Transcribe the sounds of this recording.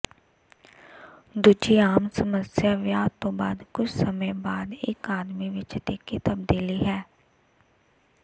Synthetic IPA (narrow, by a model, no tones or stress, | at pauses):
d̪uːd͡ʒiaːmsəməsjaʋjaːt̪ːõbaːd̪kʊt͡ʃʰsəməjbaːd̪eːkaːd̪miʋɪt͡ʃt̪ekit̪əbd̪iːliɦɛː